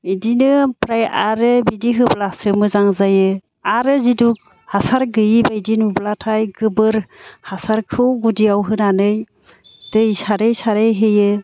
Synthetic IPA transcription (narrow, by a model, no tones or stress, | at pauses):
idinɯpɾajaɾɯbidiɦɯblasɯmɯzaŋzajɯ | aɾɯziduk̚ | hasaɾɡɯjibaidinublatʰajɡɯbɯɾhasaɾkʰɯwɡudiawɦɯnanɯj | d̥ɯisaɾejsaɾejɦejɯ